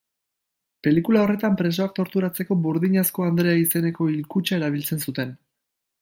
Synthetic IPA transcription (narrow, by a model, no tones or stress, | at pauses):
pe̞likulao̞re̞t̪ampɾe̞s̬o̞ak̚t̪o̞ɾt̪uɾat͡se̞ko̞βuɾðiɲasko̞and̪ɾe̞aise̞ne̞ko̞ilkut͡ʃae̞ɾaβ̞ilt͡se̞nsut̪e̞n